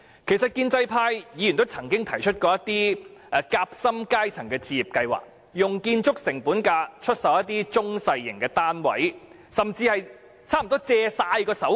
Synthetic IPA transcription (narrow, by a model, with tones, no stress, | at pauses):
kʰe˨˩sɐ˨t̚kiː˧nt͡sɐ˧jpʰaː˧jjiː˨˧jy˨˩nt̪o˥wt͡sʰɐ˨˩ŋkɪ˥ŋt̪ʰɐ˨˩jt͡ʃʰɵ˥t̚kɔː˧jɐ˥t̪iː˥˧kaː˧˥p̚sɐ˥mkaː˥jt͡sʰɐ˨˩ŋkɛː˧t͡siː˧jiː˨˩p̚kɐ˧jwa̰ː˨˩k̚ | jʊ˨ŋkiː˧nt͡ʃʊ˥k̚sɪ˨˩ŋpuː˨˥nkaː˧t͡ʃʰɵ˥t̚sɐ˨wjɐ˥t̚t̪iː˥t͡ʃʊ˥ŋsɐ˧jːɪ˨˩ŋkɛː˧t̪aː˥nwɐ̰˨˥j | sɐ˨mt͡siː˧hɐ˨j | t͡sʰaː˥m˨˩t̪ɔː˥t͡sɛː˧saː˧jkɔː˧sɐ˨˥w